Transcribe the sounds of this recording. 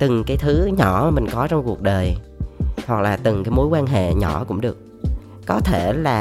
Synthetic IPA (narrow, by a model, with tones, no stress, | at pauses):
t̪ɨ˨˩ŋkaː˨˦jt̪ʰɨ˨˦ɲɔ˧˩mï˨˩ŋ̟kɔ˨˦t͡ɕɔ˧wŋ͡mku˨˩ək̚ɗəː˨˩j | hwa˨˩k̚laː˨˩t̪ɨ˨˩ŋkaː˨˦jmo˨˦jkwaː˧nɦḛ˧˨ɲɔ˧˩kʊ̰˧˥ŋ͡mɗɨ˨˩ək̚ː | ɔ˨˦t̪ʰe˧˩laː˨˩